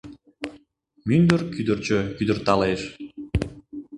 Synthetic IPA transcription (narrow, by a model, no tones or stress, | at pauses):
mynd̪ərkyd̪ərt͡ɕøkyd̪ərt̪ɑleʃ